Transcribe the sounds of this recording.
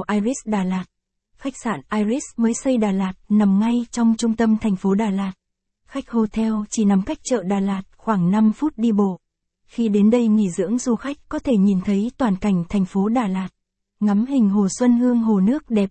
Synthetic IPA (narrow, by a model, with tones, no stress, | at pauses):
ʔaː˧jzi˦˥sɗaː˨˩laː˨˩t̚ | xa˦˥jk̚saː˧˩nʔaː˧jzi˦˥sməː˨˦jsə˧jɗaː˨˩laː˨˩t̚na˨˩mŋa˧jt͡ɕɔ˧wŋ͡mt͡ɕʊ˧ŋ͡mt̪ə˧mt̪ʰɛ˨˩jŋ̟fo˨˦ɗaː˨˩laː˨˩t̚ | xa˦˥jk̚ho˧t̪ʰɛ˧wt͡ɕi˧˩na˨˦mka˦˥jk̚t͡ɕə̰ː˧˨ɗaː˨˩laː˨˩t̚xwaː˧˩ŋna˧mfu˦˥t̚ɗi˧ɓo̰˧˨ | xi˧ɗe˨˦nɗə˧jŋḭ˧˩zɨ̰˧˥əŋzu˧xa˦˥jk̟̚kɔ˨˦t̪ʰe˧˩ɲi˨˩nt̪ʰə˨˦jt̪waː˨˩nka˧˩jŋ̟t̪ʰɛ˨˩jŋ̟fo˨˦ɗaː˧˩laː˨˩t̚ | ŋa˨˦mɦï˨˩ŋ̟ɦo˨˩swə˧nhɨ˧əŋɦo˨˩nɨ˦˥ək̚ɗɛ˨˩p̚